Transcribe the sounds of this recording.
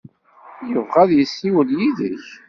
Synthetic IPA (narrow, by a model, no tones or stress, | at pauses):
jəvʁæðjəsːiwəljiðəç